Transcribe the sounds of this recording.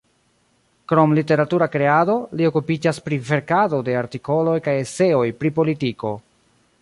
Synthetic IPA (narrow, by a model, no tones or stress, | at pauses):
kɾo̞mlite̞ɾatuɾakɾe̞ado̞lio̞kupid͡ʒaspɾive̞ɾkado̞de̞aɾtiko̞lo̞jkajese̞o̞jpɾipo̞litiko̞